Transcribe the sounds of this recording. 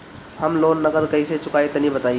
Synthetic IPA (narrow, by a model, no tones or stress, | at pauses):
hɐmloːnːɐɡəd̪kɐiset͡ʃʊkaːet̪ɐnĩbət̪aːi